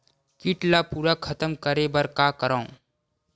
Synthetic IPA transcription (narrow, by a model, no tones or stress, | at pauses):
kiʈlapuːɾakʰɐt̪əmkəɾebɐɾkaːkəɾãːõ